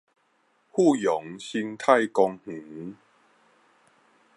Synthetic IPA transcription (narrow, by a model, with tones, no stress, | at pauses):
hu˥˧jɔ˨˦ŋɕi˧ŋt̪ʰa˥˨jkɔ˧ŋh̩˨˩˦